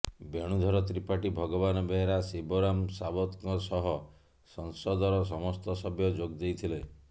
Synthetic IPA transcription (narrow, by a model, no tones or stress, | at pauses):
beɽ̃ud̪ʱɔɾɔt̪ɾipaʈibʱɔɡɔbanɔbeɦeɾaseboɾamsabɔt̪kɔsɔɦɔ | sɔŋsɔd̪ɔɾɔs̬ɔmɔst̪ɔsɔbjɔd͡ʒoɡd̪ejt̪ʰile